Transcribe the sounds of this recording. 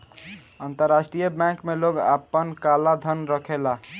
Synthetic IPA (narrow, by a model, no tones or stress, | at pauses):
ənt̪əɾːasʈɾijəbjɛ̃ŋkmeloɡa̰pːənkalad̪ʱənɾəkʰela